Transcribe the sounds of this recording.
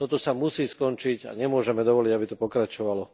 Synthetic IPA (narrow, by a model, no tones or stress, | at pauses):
t̪ɔt̪ɔsamusiːskɔnt͡ʃiɟa̰ɲɛmʊɔʒɛmɛd̪ɔʋɔliɟabit̪ɔpɔkɾat͡ʃɔʋalɔ